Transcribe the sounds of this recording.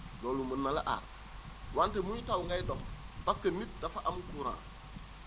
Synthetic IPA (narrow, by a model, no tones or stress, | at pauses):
doːlumunːala̰ʔa̰ː | wantemujitawŋɡajdɔfbaskɐnːit̚dafaʔamukuɾã̰ː